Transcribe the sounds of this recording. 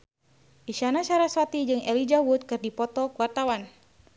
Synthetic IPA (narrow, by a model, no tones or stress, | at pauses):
ʔiʃanat͡ʃaɾaswat̪id͡ʒɨŋɛlid͡ʒawut̪̚kɨrdipɔt̪ɔkuart̪awan